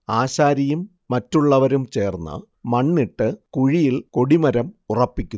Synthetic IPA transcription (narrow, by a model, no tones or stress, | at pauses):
aːɕaːɾɐjumː | ɐtːuɭːɐʋɐɾumt͡ɕe̞ːrnːɐ̰ | mɐɳːiʈːɨkuɻijilko̞ɽimɐɾɐmurɐpːikʲːu